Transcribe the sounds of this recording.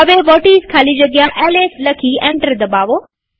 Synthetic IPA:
ɐʋebɔːʈiːzkʰaːlid͡ʑɐɡjãʔeːleːslɐkʰiẽːɳʈəɾd̪ɐbaːʋoː

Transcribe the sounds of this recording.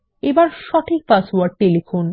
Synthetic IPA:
ebaɾʃɔʈʰik̚pasuaɾɖ̚ʈːelifon

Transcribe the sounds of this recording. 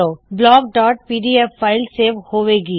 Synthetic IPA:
oːblɔːɡ̚ɖɔːʈ̚piːɖiɛfːaːɪlseːʋhoːʋeːɡiː

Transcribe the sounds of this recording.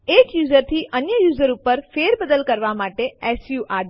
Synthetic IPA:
eːkjuːzəɾt̪ʰiːʔɐɲəjuːzəɾʊpəɾfeːɾbɐd̪əlkɐɾʋamaːʈeɛːsjuːʔaːɖ

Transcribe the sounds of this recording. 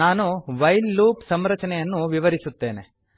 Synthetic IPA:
aːnuʋɐjlːuːpsɐmɾɐt͡ʃɐnɛjɐnːuʋiʋɐɾisut̪ːe̞ːnḛ

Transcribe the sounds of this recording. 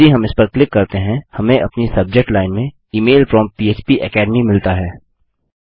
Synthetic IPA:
iɦɐmɪspɐɾklɪkːɐɾt̪eɦɛ̃hɐmẽʔɐ̰pnisɐb̚d͡ʒek̚ʈlaːɪnmẽ | iːmeːlfɾɔːmpiːeːt͡ʃpiʔɛkɛːɖmimɪlt̪aɦɛː

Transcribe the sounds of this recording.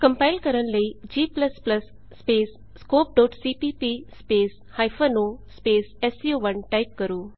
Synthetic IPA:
kɐmpajlkɐɾɐnlɐid͡ʒiːplɐsplɐsː | peːsːkoːp̚ɖoːʈsiːʈiːpiːspeːs | hajfʰɐnoːspeːsesjuːʋɐnʈajp̚kɐɾuː

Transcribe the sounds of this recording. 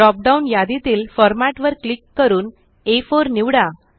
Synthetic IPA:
ɔp̚ɖaunjad̪it̪iːlfɔɾmaʈʋəɾklikːəɾuːn | efoɾniʋɽa

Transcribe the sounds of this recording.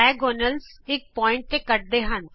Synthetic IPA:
ɛːɡɔːnəlsɪk̚pɔːɪ̃ɳʈ̚t̪eːkəʈ̚d̪eːɦən

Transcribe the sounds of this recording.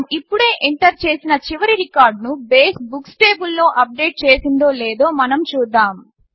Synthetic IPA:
mipːuɽe̞ːʔeɳʈɐɾt͡ʃe̞ːsinɐt͡ʃiʋɐɾiɾikaːɾɖnubeːs̚buksʈe̞ːbulːo̞ːʔɐp̚ɖe̞ːʈ̚t͡ʃe̞ːsind̪o̞ːleːd̪o̞ːmɐnɐmt͡ʃuːd̪ːaːm

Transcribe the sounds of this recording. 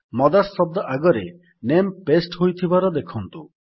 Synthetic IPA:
mɔd̪asɔb̚d̪ɔʔaɡɔɾḛ | nempesʈɦojt̪ʰibaɾɔd̪ekʰɔnt̪u

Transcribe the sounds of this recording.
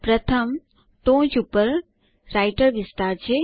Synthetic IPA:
pɾət̪ʰəm | t̪õd͡ʒupəɾ | ɾajʈəɾʋɪst̪aɾt͡ʃʰe

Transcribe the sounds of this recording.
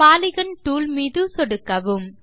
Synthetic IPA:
aːlɪɣɐnʈuːlmiðɯsɔɽɯkːɐʋɯm

